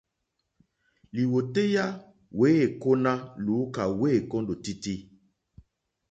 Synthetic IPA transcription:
li˨wo˨te˦ja˦ | we˨˦e˨ko˦na˦lu˨˦ka˨we˦˨kɔ˦ndo˨ti˦ti˦

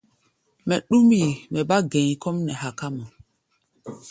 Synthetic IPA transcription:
mɛ˨ɗu˦mi˦˨mɛ˨ba˦ɡɛ̃˨kɔ˦mnɛ˨ha˨ka˦mɔ˨

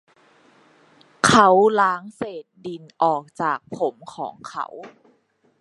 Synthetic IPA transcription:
kʰa˦˥wlaː˦˥ŋseː˨˩t̪̚di˨˧nʔɔː˨˩k̚t͡ɕaː˨˩k̚pʰo˩˦mkʰɔ̰ː˩˦ŋkʰa̰˦˥w

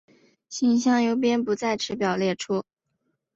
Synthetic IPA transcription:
ɕi˥˩ŋɕjɑ˥˩ŋjo˧˥ʊp̬jɛ˥npu˧˥t͡sa˥˩ɪʈ͡ʂʰɻ̩˧˥pjɑ˨˩ʊljɛ˥˩ʈ͡ʂʰu˥

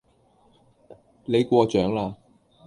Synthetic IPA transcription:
le˨˧jkʷɔː˧t͡ʃœː˨˥ŋlaː˧

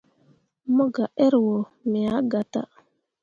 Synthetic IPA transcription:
mo˦ɡa˨ʔe˦ɾwo˨ | me˨a˦ɡa˨ta̰˦

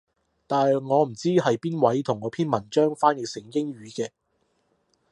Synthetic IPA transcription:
t̪aː˨n˨jjŋɔː˨˧m̩˨˩t͡siː˥hɐ˨jpiː˥nwɐ˨˥jt̪ʰʊ˨˩ŋːɔː˨˧˥pʰiː˥nmɐ˨˩nt͡ʃœː˥ŋfaː˥njɪ˨k̚sɪ˨˩ŋkɪ˥ŋɥyː˨˧kɛː˧

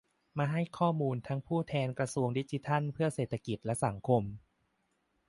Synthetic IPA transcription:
maː˧ɦa˥˩jkʰɔː˥˩muː˧nt̪ʰa˦˥ŋpʰuː˥˩t̪ʰɛː˧nkɾa˧su˧əŋdi˦˥t͡ɕi˧t̪ʰa˥˩npʰɯ˥˩ɐseː˨˩t̪ʰːa˧ki˨˩t̪̚lɛ˦˥sa˩˦ŋkʰo˧m

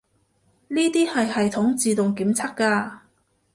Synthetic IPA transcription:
niː˥t̪iː˥hɐ˨jhɐ˨jt̪ʰʊ˨˥ŋt͡siː˨t̪ʊ˨ŋkiː˨˥mt͡sʰɐ˥kkaː˧

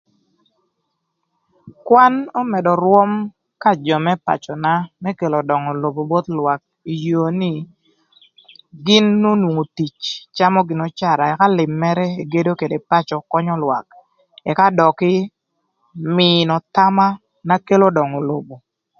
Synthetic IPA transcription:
kwa˦nɔ˦mɛ˨dɔ˨ɾwɔ˦m | ka˦d͡ʒɔ˨mɛ˦pa̰˨t͡ʃɔ˨na˦mɛ˦ke˨lɔ˨dɔ˨ŋɔ˨lo˨bo˨bo˦t̪lwa˨k̚ | i˨jo˨ni˦ | ɡɪ˦nːo˦nwo˨ŋo˨ti˨t͡ʃt͡ʃa˦mɔ˦ɡɪ˨nɔ˨t͡ʃa˨ɾa˨ɛ˨ka˦lɪ˨mːɛ˦ɾɛ˦e˨ɡe˦do˦ke˨de˨pa˦t͡ʃɔ˨kɔ˦ɲɔ˦lwa̰˨k̚ | ɛ˨ka˦dɔ˨kɪ˦ | mɪ˨nɔ˨ta˦ma˦ | na˦ke˦lo˦dɔ˨ŋo˨lo˨bo˨

